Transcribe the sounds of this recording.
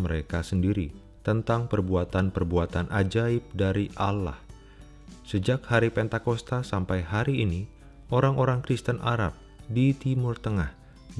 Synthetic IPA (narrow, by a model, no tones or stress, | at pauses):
məɾekasəndiɾi | t̪ənt̪aŋpərbuat̪anpərbuat̪anʔad͡ʒaɪp̚daɾiʔala̰h | səd͡ʒakhaɾipɛnt̪akost̪asampajɦaɾiːni | ʔoɾaŋoɾaŋkɾist̪ənʔaɾa̰p̚ | dit̪imʊrt̪əŋah